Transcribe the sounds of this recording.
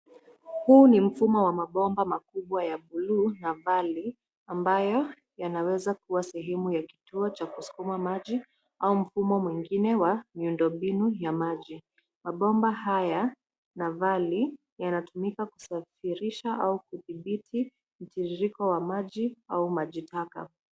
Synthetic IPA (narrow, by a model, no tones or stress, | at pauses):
huːnim̩fumɔwamaɓɔmbamakuɓwajaɓuluːnavali | ambajɔ | janawɛzakuwasɛɦɛmujaki̥tuɔt͡ʃakusu̥kumamaʄi | aum̩fumɔmwiŋɡinɛwamiundɔmbinujamaʄi | maɓɔmbahaja | navali | janatumikaku̥safiɾiʃaʔaukuθiɓitʰi | m̩tiɾiɾikɔwamaʄiaumaʄitaka̰